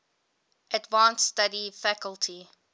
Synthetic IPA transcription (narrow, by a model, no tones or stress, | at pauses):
ʔədvãnstadifækəltʰi